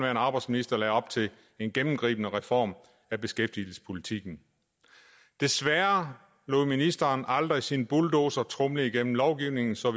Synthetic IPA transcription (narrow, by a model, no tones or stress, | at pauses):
ʋæɐenɑ̈ːb̥ɑɪdsminisd̥ɐlɛːɒ̽b̥̚t͡sʰe̝l | e̝nɡ̥enm̩ɡ̥ʁḭːb̥ənəʁɛfɒ̰ːm | æb̥e̝sɡ̥efd̥il̩sə̥spʰo̝lit͡sʰiɡ̥n̩ | d̥e̝sʋæɐ | lo̝ðˠminisd̥ɐːnɑld̥ʁisinb̥uld̥o̝ːsɒt͡sʰʁɔmliiɡ̥en̰m̩lɒʊɡ̥iʊne̝ŋn̩sɒ̽ʋ